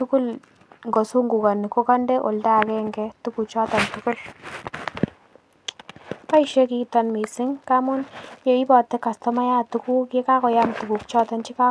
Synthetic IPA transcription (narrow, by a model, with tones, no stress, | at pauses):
tukʊ˦l | ŋɡɔ˨su˦ŋɡu˨ka˨nɪ˨ko˦ka˦ndɛ˦ʔo̰˨lda˨kɛ˦ŋɡɛtu˦ku˨t͡ʃɔ˦tɔ˨ntukʊ˦l | ka˦iʃe˦kitɔ˧nmi˨sɪ˦ŋka˦mʊ˦nje˨i˦bɔ˨tɛ˦ka˨stɔma˦ja˦tuku˦ke˦ka˦kɔ˨jamtu˨ku˨k̚t͡ʃɔ˦ta˦nt͡ʃi˦ka˦